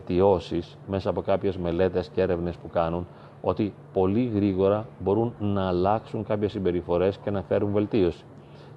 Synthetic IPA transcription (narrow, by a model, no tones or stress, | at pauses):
t̪io̞sis | me̞sɐːpo̞kɐpçe̞zme̞le̞t̪e̞scee̞ɾe̞vne̞spukɐnun | o̞̰t̪ipo̞liɣɾiɣo̞ɾɐbo̞ɾunnɐːlɐksuŋkɐpçe̞sːimbe̞ɾifo̞ɾe̞sce̞nɐfe̞ɾunve̞lt̪io̞si̥